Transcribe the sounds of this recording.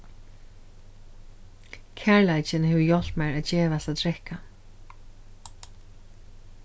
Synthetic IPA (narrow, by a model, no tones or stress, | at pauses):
kʰaɹlajt͡ʃɪnhɛvʏjɔl̥t̪maɹaðd͡ʑɛːvast̪aðt̪ʰɾɛhka